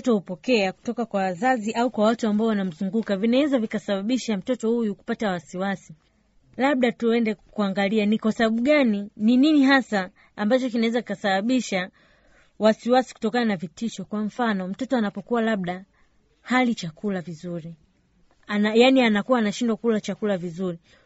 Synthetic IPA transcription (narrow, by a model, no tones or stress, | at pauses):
tɔhupɔkɛaku̥tɔkakwawazaziʔaukwawatuambaɔwanam̩zuŋɡukavinawɛzavikasaɓaɓiʃam̩tɔtɔhujuku̥patawasiwasi | laɓ̚ɗatuɛndɛkuaŋɡalianikwasaɓaɓuɠaninininiɦasaː | mbat͡ʃɔkinawɛzakikasaɓaɓiʃa | wasiwasi̥ku̥tɔkananavitiʃɔkwam̩fanɔm̩tɔtɔanapɔkuwalaɓ̚ɗa | halit͡ʃakulavizuɾi | anajanianakuwaːnaʃindwakulat͡ʃakulavizuɾi